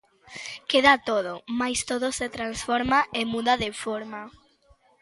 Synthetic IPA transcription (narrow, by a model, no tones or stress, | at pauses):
keðat̪oð̞omajst̪oðoset̪ɾansfɔɾmaʔemuðaðefoɾma